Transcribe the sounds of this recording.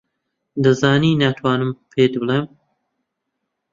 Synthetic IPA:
d̪ɐzaːniːnaːt̪ʰwaːnɨmpʰeːt̪bɨleːm

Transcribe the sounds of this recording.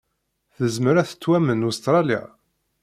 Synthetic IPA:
θəzməɾæθə̥t͡sːwæmənust̪ɾˤɑlja̰

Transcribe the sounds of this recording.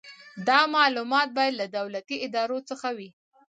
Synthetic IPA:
d̪ɑmɑlumɑt̪̚bɑjad̪lad̪awlat̪iɪd̪ɑɾot͡səxawi

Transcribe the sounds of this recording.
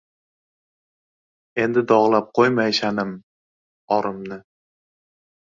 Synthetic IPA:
e̞nd̪ɪd̪ɒʁlˠap̚qʰojmajʃanɪm | ɒɾɪmnɪ

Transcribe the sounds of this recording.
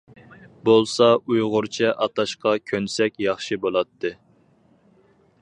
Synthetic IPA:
bolˠsɑujʁʊɾt͡ʃʰɛʔɑt̪ʰɑʃqɑkʲʰønsɛkʲjɑχʃibolˠɑt̪ʰːɨ

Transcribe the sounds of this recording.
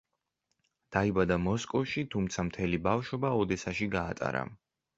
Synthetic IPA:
d̪̥aibad̪amɔskʼɔfʃit̪ʰumt̪sʰamt̪ʰɛlibafʃɔbaɔd̪ɛsaʃiɡaːt̪ʼa̰ɾa̰

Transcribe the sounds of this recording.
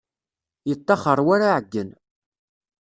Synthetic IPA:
jət̪ˤːɑχəɾˤwaɾaʕəɡːən

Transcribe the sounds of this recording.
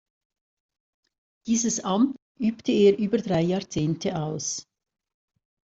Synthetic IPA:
d̥iːzəsʔɑmt | ʔyːptʰəeːɾʔyːbɐdʁaɪjɑːɐt͡seːntʰəaʊs

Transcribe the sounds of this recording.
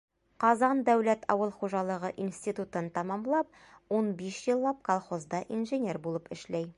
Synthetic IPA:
qɒzɑnd̪æwlæt̪ʰɒ̰wɤlˠχuʒɑlˠɤ̆ʁɤʔinsʲt̪ʲit̪ut̪ɤnt̪ɒmɑmlˠɑp̚ | unbiʃjɤ̆lˠːɑp̚kolˠχozd̪ɑʔinʒɘnʲerbulˠɤpɘ̆ʃlæj

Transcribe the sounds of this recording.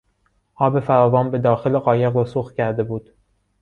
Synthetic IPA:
ʔɒːbe̞fæɾɒːvɒːnbed̪ɒːxe̞leɣɒːje̞ɣɾusoxt̪̚cʰæɾd̪e̞buːd̪̥

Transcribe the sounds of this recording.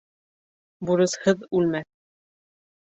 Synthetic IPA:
buɾɤ̆shɤðʉlmæθ

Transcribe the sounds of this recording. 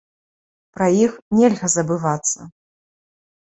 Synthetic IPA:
pɾɐjixnʲɛlʲɣɐzɐbɨvat̪sːɐ̰

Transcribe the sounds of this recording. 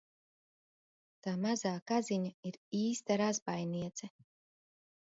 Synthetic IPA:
t̪aːmazaːkaziɲaiɾiːst̪aɾazbajniɛt̪sɛ

